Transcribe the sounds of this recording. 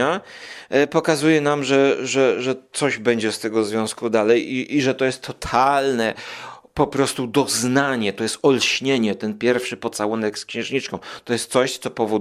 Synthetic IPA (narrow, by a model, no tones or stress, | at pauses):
a | pɔkazujɛnamʐɛʐɛʐɛt̪sɔʑbɛɲd͡ʑɛst̪ɛɡɔzvʲjɔ̃skud̪alɛjiʔiʐɛt̪ɔjɛst̪ʰːɔt̪ʰalnɛ | pɔpɾɔst̪ud̪ɔznaɲɛt̪ɔjɛst̪ɔlɕɲeɲɛt̪ɛnpʲjɛɾfʂɘpɔt̪sawɔnɛkskɕɛ̃w̃ʐɲit͡ʂkɔ̃w̃t̪ɔjɛst̪sɔɕt̪sɔpɔvɔ